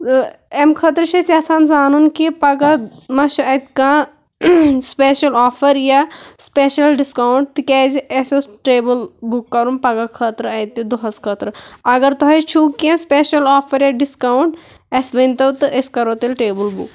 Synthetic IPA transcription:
emkʰɐt̪ɾɨʃesiaːsaːnzaːnunkipɐɡamɐʃɐt̪kaː | speːʃɐlɔːpʰɐɾjaspeʃɐlɖiskawɳʈ̚t̪ɨkʲɛːziesosʈeːbɨlbukːɐɾunpɐɡakʰət̪ɾɨɐt̪id̪oɦɐskʰɐt̪ɾɨɐɡɐɾt̪ɐɦɐt͡ʃʰuːkːiɐ̃speʃɐlɔːpʰɐɾjaɖiskɐwɳʈ | ɐsʋɐnʲt̪ɐwt̪ɨeskɐɾoːt̪elʈeːbɨlbʱṵk

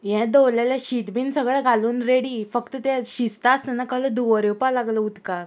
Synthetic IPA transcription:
jɛ̃d̪owljaljaɕit̪biːnsəɡɭɛɡʱaluːnɾeɽiːfəkt̪ət̪ɛɕist̪aːst̪ənakələd̪uʋəɾewpalaɡləut̪ka

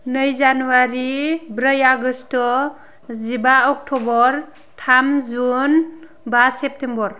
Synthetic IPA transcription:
nɯjzanuwaɾibɾəjaɡəst | zibaɔk̚tʰɔbɔɾ | tʰamzun | basep̚tembɔɾ

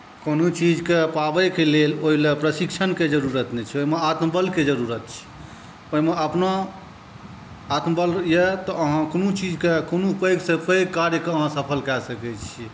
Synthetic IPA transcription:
konot͡ʃid͡ʒkepabəkeleloɦilepɾəsikt͡ʃʰənked͡ʒəɾuɾət̪nɛt͡ʃʰɛoɦimeat̪mbəlked͡ʒəɾuɾət̪̚t͡ʃʰi̥ | oimeəpna | at̪məbəljet̪ɔəɦãkonut͡ʃid͡ʒkekonopəjɡsepəjkːaɾjəkeəɦãsəpʰəlkɛsəkɛt͡ʃʰi

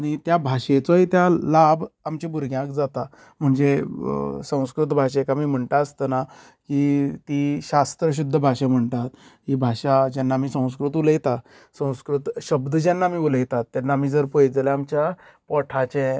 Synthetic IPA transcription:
aɽ̃it̪jabʱaɕet͡sɔɦit̪jalabamt͡ɕibuɾɡʱjãkd͡zat̪a | m̤əɳd͡ze | sə̃w̃skɾut̪bʱaɕekamiːm̤əɳt̪aəst̪əna | kit̪iːɕast̪ɾəɕ̬ud̪ʱːəbʱaɕem̤əɳt̪at̪ɦibʱaɕad͡ʑanːaːm̤iːsə̃w̃s̬kɾut̪uləjt̪a | sə̃w̃skɾut̪ɕəbd̪ʱəd͡ʑanːaːmiːuləjt̪at̪ːanːaːmiːd͡zəɾpojd͡zlɛamt͡ɕja | pɔʈʰat͡ɕẽ

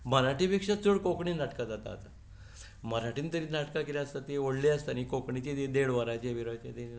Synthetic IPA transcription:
məɾaʈipekʂat͡səɽkokɳiːnaʈkad͡zat̪a̰ːt̪a | məɾaʈʰiːnt̪əɾiːnaʈkakilaəst̪at̪eoɽliəst̪anikokɳit͡ɕed̪ed̪eɽʋəɾat͡ɕeʋiɾat͡ɕet̪e

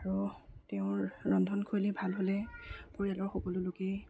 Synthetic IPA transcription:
aɹuteʊ̃ɹɔndʱɔnkʰulibʱalɦolɛpoɹijalɔɹxobɔlʊloke

